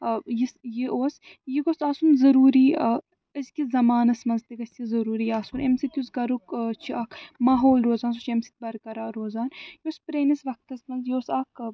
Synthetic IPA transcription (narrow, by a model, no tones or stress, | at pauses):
jisjiʔoːs | jiɡosaːsunzɐɾuːɾiː | ɐzkizɐmaːnɐsmɐnzt̪iɡɐsʲizɐɾuːɾijaːsunemsit̪jusɡɐɾukt͡ʃʰiɐkʰmaːɦoːlɾoːzaːnsot͡ʃʰemsi̥t̪̚bɐɾkɐɾaːɾoːzaːnjoːspɾeːnisʋɐk̚t̪ɐsmɐnzjoːsɐk